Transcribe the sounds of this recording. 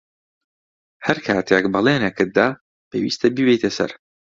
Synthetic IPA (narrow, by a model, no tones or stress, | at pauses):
hɐɾkʰaːt̪ʰekbɐlˠeːnɛkʰɨd̪aː | pʰeːwḭːst̪ʰɐbibejt̪ʰesɐ̰ɾ